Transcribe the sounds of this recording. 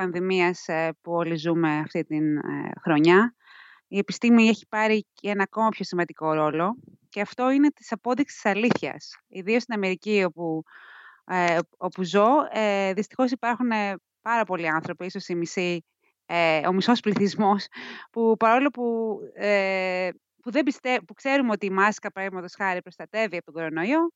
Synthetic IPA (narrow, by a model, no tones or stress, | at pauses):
pɐnðimiɐspuolizume̞ɐft̪it̪in̰xɾo̞ɲɐ | ie̞pist̪imiːeçi̥pɐɾi | e̞nɐːko̞mɐpço̞simɐnd̪iko̞ɾo̞lo̞ | ce̞ɐft̪o̞ine̞t̪i̥sɐpo̞ðiksi̥i̥sɐliθçɐ̰siðio̞st̪inɐme̞ɾicio̞pu | o̞puzo̞eðist̪i̥xo̞sipɐɾxune | pɐɾɐpo̞liɐnθɾo̞piiso̞simisi | eo̞miso̞spliθizmo̞spupɐɾo̞lo̞pue | puðe̞bist̪epukse̞ɾumo̞t̪iːmɐskɐpɾɐɣmɐt̪osxɐɾipɾost̪ɐt̪e̞viɐpot̪oɡo̞ɾo̞noio